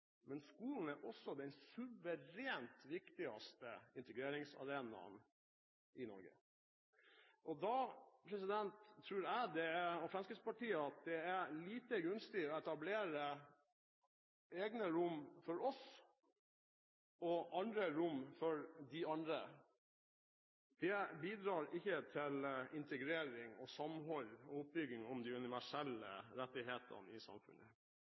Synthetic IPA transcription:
mɛnskuːln̩æɾʔɔsːɔd̪ɛɪnsʉʋəɾeːnt̪ʋɪkt̪ɪɑ̰st̪əɪnt̪əɡɾeːɾɪŋsɑ̰ɾeːnɑ̰n | ʔɪnɔ̰ɾɡə̰ | ʔɔd̪ɑpʰɾɛsɪd̪ɛnt̪ʰːɾʉːɾæɪd̪ɛæɔfɾɑnskɪtspɑʈiːəɑt̪̚d̪ɛæɾliːt̪əɡʉnst̪ɪɔɛt̪ɑbleːɾə | eːɡnəɾʊmːfɔɾɔs | ɔʔɑnd̪ɾəɾʊmfɔɾd̪ɪɑnd̪ɾə | d̪̥ɛbiːd̪ɾɑːɾɪçːət̪ʰɪlɪnt̪əɡɾeːɾɪŋɔsɑmɦɔlɔʊp̚bʏɡːɪŋɔmd̪iːʉnɪʋæʂɛlːə̰ɾɛt̪ːɪɦeːt̪ʰə̰nɪ̰sɑ̰mfʉ̰nə̰

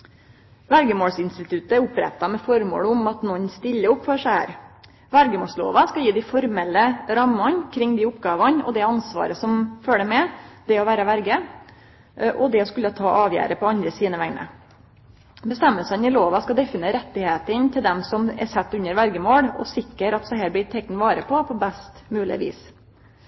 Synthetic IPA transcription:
ʋæɾɡəmoːɽsɪnst̪ɪt̪ʰʉt̪əɛɾʊpɾɛ̰t̪ːɑmɛfɔɾmo̰ːɽʊmɑt̪nɔɲːst̪ɪlːəʊpːfɔʂæhæ̰ːɾ | ʋæɾɡəmoːslo̰ːʋɑskɑjiːd̪ɪfɔɾmɛlːəɾɑmːɑnkʰɾɪŋːd̪iːʊpɡɑːʋɑnɔ̰d̪ɛɑnsʋɑ̰ːɾəsɔmføːləmɛd̪̥ɛɔʋæːɾəʋæɾɡə | ʔɔd̪ɛɔskʉlːət̪ʰɑːʔɑːʋjæ̰ːɾəpʰɔɑnd̪ɾəsiːnəʋæŋnə̰ | bəst̪ɛmːəlsənɪloːʋɑskɑd̪ɛfɪneːɾɛt̪ːɪheːt̪ənt̪ʰɪld̪ɛmsɔmɛ̰sɛt̪ːʉnːəɾʋæɾɡəmoːɽɔ̰sɪkːəɾɑt̪sɔhæːɾblɪːt̪ʰɛk̚nʋɑːɾəpʰɔpʰɔbæst̪mʉːlɪ̰ʋḭːs

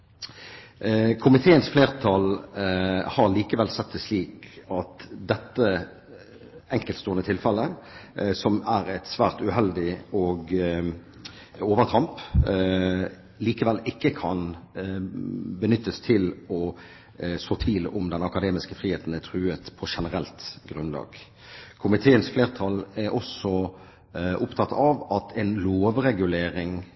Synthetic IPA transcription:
kʰʊmɪt̪ʰeːənsfleːʁt̪ʰɑl | hɑʁliːkəʋɛlsɛt̪ːɛsliːkɑt̪d̪ɛt̪ːə | ɛŋkəlt̪st̪uːʁənət̪ʰɪlfɛlːə | sɔmæɾɛt̪sʋæːʁt̪ʉhɛld̪ɪɔːɡ | oːʋəʁt̪ʰɑmp | liːkəʋɛlɪkːəkʰɑn | bənʏt̪ːəst̪ʰɪlɔ | soːt̪ʰʋiːlʊmd̪ɛnɑkɑd̪eːmɪskəfʁiːheːt̪n̩æt̪ʰʁʉːət̪pʰɔʃɛnəɾɛlt̪ɡɾʉnlɑ̰ːɡ | kʰʊmɪt̪ʰeːənsfleːʁt̪ʰɑlɛɾʔɔsɔ | ʔʊpt̪ʰɑt̪ːɑʋɑt̪ʰɛnloːʋɾɛɡʉleːɾɪŋ

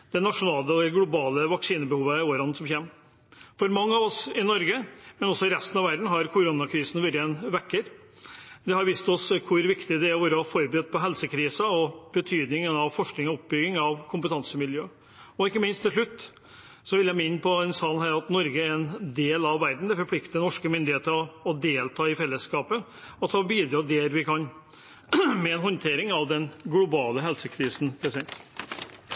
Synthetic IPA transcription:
d̪̥ɛnɑʂʊnɑːləɔd̪ɛɡlʊbɑːləʋɑksiːnəbəhuːʋəæɾoːʋɾɑnsɔmçeːm | fɔɾmɑŋːəɑʋɔsɪnɔɾɡəmɛnɔsːɔɪɾɛst̪ənɑʋæɾɖ̪n̩ɦɑɾkʰʊɾʊnɑkʰɾiːsnʋɪɾəɛnʋɛkːəɾ | d̪ɛhɑɾʋiːst̪ɔskʰʊɾʋɪkt̪ɪd̪ɛæɾʋoːɾəɑfɔɾbɾyːd̪̚pʰɔɦɛlsəkʰɾiːsɑɔb̥ət̪ʰyːd̪nɪŋənɑʋfɔʂknɪŋɔɔpbʏɡɪŋɑʋkʰʊmpət̪ʰɑnsəmɪljøː | ɔɪkːəmɪnst̪ʰːɪlʂlʉt̪ː | sɔʋɪljæɪmɪnːpʰɔɛnsɑːlnɦæːɾɑt̪nɔɾɡəæɾɛnd̪eːlɑʋːæɾd̪n̩d̪ɛfɔɾpʰlɪkt̪ənɔʂkəmʏnd̪ɪeːt̪əɾɔːd̪eːlt̪ʰɑːɪfɛlːəskɑːpə | ɔt̪ʰːɑbiːd̪ɾɑːd̪eːɾʋɪkɑn | mɛɛnɦɔnt̪ʰeːɾɪŋɑʋd̪ɛnɡlʊbɑːləɦɛlsəkʰɾiːsn̩pʰɾɛsɛnt̪

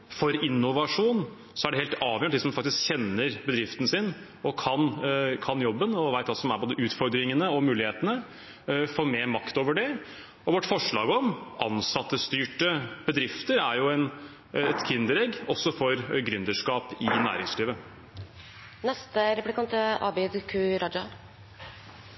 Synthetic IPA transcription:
fɔɾɪnːʊʋɑʂuːn | sɔæɖɛheːlt̪ɑːʋjøəɳd̪ɪsɔmfɑkt̪ɪskçɛnːəɾbəd̪ɾɪft̪ənsɪn | ɔkʰɑnkʰɑnjɔbːənɔʋæɪt̪ɑsɔmæɾboːd̪əʔʉːt̪fɔɾd̪ɾɪŋənəɔmʉːlɪheːt̪ənə | foːɾmeːmɑkt̪oːʋəɖɛ | ɔʋɔʈːfɔʂɭɑ̰ːɡɔmʔɑ̰nsɑt̪ːəst̪yːʈəb̥əd̪ɾɪft̪əɾæɾjʊɛn | ɛt̪kʰɪnd̪əɾɛɡɔsɔfɔɾɡɾʏnd̪əʂkɑːpɪnæ̰ːɾɪŋsliːʋə | nɛst̪əɾɛplɪkɑnt̪əɑ̰ːbɛd̪kʰʉːɾɑd͡ʒʊ

